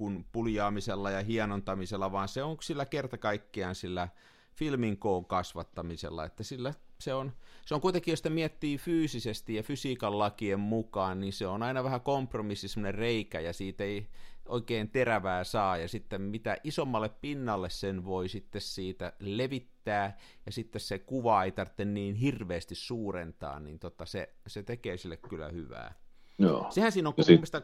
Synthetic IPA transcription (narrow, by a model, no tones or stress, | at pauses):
kunpuljɑːmiselːɑjɑhiɑnont̪ɑmiselːɑʋɑːnseoŋsilːækert̪ɑkɑikːiɑnsilːæ | filmiŋkoːŋkɑsʋɑt̪ːɑmisḛlːɑ̰ḛt̪ːæsilːæseonseoŋkuit̪eŋkijosit̪miɛt̪ːiːfyːsisest̪ijjɑfysiːkɑllɑkiemmukɑːnninseonɑinɑʋæhækompromisːisemːŏnerreikæ̰jɑsiːt̪eiʔoikeːnt̪eræʋæːsɑːjɑsit̪ːemmit̪æʔisomːɑlːˑeppinːɑlːessenʋoisit̪ːessiːt̪æleʋit̪ːæː | jɑsit̪ːessekuʋɑeit̪ɑrt̪ːenniːnhirʋeːst̪issuːrent̪ɑ̰ːnnḭnt̪ot̪ːɑsḛ | set̪ekeːsilːekkylːˑæ̰hyʋæ̰ː | jo̰ːsehænsiːnoŋkmːist̪ɑ